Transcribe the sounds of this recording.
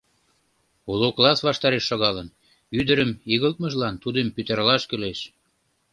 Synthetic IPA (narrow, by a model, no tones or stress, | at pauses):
uluklɑsβɑʃt̪ɑɾeʃːoɣɑlən | yd̪əɾəmiɣəlt̪̚məʒlɑnt̪ud̪əmpyt̪ərlɑʃkyleʃ